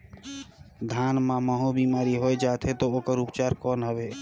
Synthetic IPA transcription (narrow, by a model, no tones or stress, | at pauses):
d̪ʱanmãməɦobimaːɾiɦojd͡ʒat̪ʰet̪ɔoːkəɾupt͡ʃaɾkɔːnɦəbe